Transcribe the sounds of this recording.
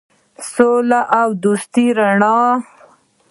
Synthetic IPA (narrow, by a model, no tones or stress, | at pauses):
solaʔawd̪ust̪iɾaɳɑ